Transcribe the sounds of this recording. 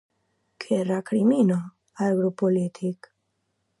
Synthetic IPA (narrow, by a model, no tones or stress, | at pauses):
kʰerakɾimino | alɡɾopolit̪ʰik